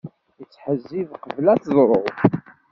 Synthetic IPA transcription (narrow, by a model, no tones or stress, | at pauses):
jət͡sːħəzːivqəvlæθzˤɾˤo̰ð